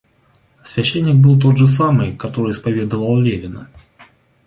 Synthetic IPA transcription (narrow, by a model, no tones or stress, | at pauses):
svʲɛɕːenʲːɪk̚bɨlˠt̪̬o̞d̪ʐɨs̬amɨjkɐt̪o̞ɾɨɪspɐvʲe̞d̪əvəlˠlʲevʲɪnə